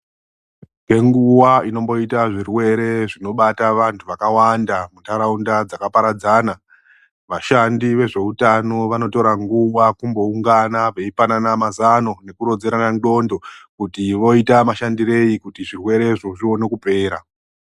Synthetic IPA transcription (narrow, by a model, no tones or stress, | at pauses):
pe̞ŋɡuwaino̞mbo̞itaʐirwe̞ɾe̞ʐino̞ɓataʋantʰuʋakawandamutʰaɾaundad͡zakapaɾad͡zana | ʋaʃandiʋe̞ʐe̞utano̞ʋano̞to̞ɾaŋɡuwakumbo̞uŋɡanaʋe̞ipananamazano̞ne̞kuɾo̞d͡zeɾanando̞ndo̞kutiʋo̞itamaʃandire̞ikutiʐirwe̞ɾe̞ʐo̞ʐio̞ne̞kupe̞ːɾa